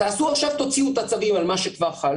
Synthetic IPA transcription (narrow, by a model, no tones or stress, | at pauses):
t̪aːsuaχʃavt̪ot͡siut̪at͡savimalmaʃekvaʁχal